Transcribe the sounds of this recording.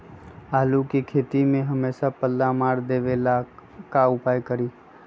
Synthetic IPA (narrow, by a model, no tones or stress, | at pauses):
aːlukikʰeːt̪imẽɦɐmeːsapəlːamaːɾd̪eːʋeːlakaʊpaːjkəɾiː